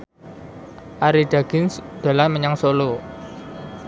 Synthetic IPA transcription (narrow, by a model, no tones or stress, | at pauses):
ʔaɾiɖ̥aɡ̥ɪnsd̪̥a̤laməɲaŋsolo